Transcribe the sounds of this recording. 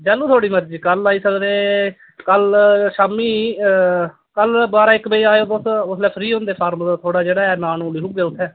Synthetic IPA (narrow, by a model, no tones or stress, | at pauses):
d͡ʒɛːluːt̪ʰoːɽiːməɾd͡ʒiːkəlaːiːsəkd̪eː | kəlʃaːmiː | kəlbaːɾaːɪkbeiːaːjoːd̪osʊslɛːpʰɾiːɦõːnd̪eːpʰaːɾmd̪aːt̪ʰoːɽaːd͡ʒeːɽaːɛːnaːnũːliːɦʊɡeːʊt̪ʰːɛː